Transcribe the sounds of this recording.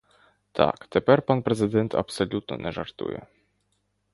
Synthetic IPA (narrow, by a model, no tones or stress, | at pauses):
t̪ʰa̰kt̪ɛpʲɛɾpanpɾɛzɘd̪ɛnt̪ʰa̰psɔlʲut̪nɔ̰nɛʐaɾt̪ṵjɛ̰